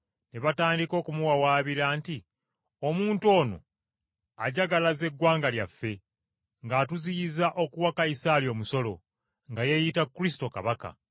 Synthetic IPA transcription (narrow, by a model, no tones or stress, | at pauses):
neβataːndiko̞ːkumuwawaːβiɾaːnti | omuːnto̞ːno̞̰ | a̰ɟaɡalaze̞ɡwaːŋɡaljafːe̞ | ŋɡatuziizaʔo̞kuwakaisaːljo̞ːmuso̞lo̞ | ŋɡaje̞jitakːuɾis̬i̥to̞ka̰βaka̰